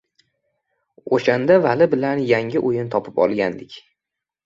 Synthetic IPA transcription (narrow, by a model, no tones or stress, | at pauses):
oʃand̪avalɪbɪlanjaŋʲɪʔojɪnt̪ʰɒpʰɪpɒ̰lˠɡʲand̪ɪkʲ